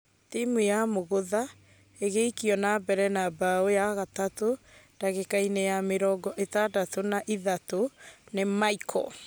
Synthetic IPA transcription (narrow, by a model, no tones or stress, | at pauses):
timwujamoɣoða | eɣeikiɔnabɛɾɛnabaojaɣatato | d̥aɣekainejameɾɔːɡɔʔetadatonaʔiðatonemaikʰɔ̰